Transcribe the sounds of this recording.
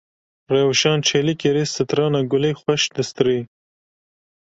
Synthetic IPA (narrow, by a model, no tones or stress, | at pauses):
ɾewʃɑːnt͡ʃʰelikeɾisɪt̪ɾɑːnaɡʊlixwaʃd̪əst̪ɾi